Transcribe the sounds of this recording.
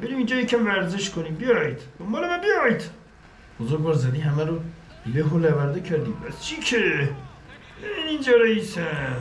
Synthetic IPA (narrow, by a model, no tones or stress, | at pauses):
b̥eɾiːmind͡ʒɒːjecʰʲæmvæɾzeʃkʰoniːmbejɒjid̪̥d̪ombɒːlemæbijɒjd̪̥ | b̥ozoɾɡbɒːɾzæd̪iːɦæmæɾo | leɦolævæɾd̪ecʰæɾd̪iːpæst͡ʃʰikʰe | einind͡ʒɒːɾeisæ